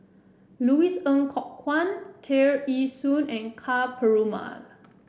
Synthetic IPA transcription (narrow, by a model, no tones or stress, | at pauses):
luisə̃ŋkʰɔʔkʰwãntʰɛɹisũnɛ̃nkʰapʰəɹoma̰l